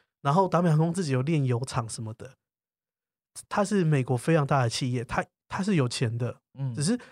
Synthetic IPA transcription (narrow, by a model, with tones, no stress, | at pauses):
na˧˦nxo˥˩ʊt̪a˧˥me˨˩ɑ˥ko˥ŋt͡sɹ̩˥˩t͡ɕi˨˩jo˨˩ʊljɛ˥˨njo˧˥ʊʈ͡ʂʰɑ˨˩˦ŋʂə˨˦nmə˧d̪ə˨˩ | t̪ʰa˥ʂɻ̩˥˩me˨˩ɪkwɔ˧˥fe˥ɪʈ͡ʂʰɑ˧˦ŋt̪a˥˩d̪ə˩t͡ɕʰi˥˧jɛ˥˩t̪ʰa˥ | t̪ʰa˥ʂ̬ɻ̩˥˩jo˨˩ʊt͡ɕʰjɛ˨˦nd̪ə˨ | ʈ͡ʂ̩˨˩ʂ̬ɻ̩˥˩